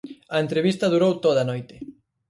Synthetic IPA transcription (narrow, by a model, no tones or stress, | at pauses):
ɐent̪ɾeβist̪ɐðuɾowt̪oðɐnojt̪ɪ̥